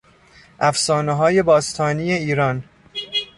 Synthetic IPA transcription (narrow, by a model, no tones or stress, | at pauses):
ʔæfsɒːneɦɒːje̞bɒːst̪ʰɒːniːjeiːɾɒn